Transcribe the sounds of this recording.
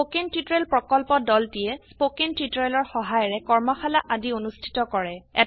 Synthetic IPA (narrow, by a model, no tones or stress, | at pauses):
okentitɔɹɛlpɹɔkɔlpɔdɔltijɛspokentitɔɹelɔɹxɔɦajɔɹɛkɔɹmɔxalaʔadionustʰi̥tɔkɔɹɛɛ̰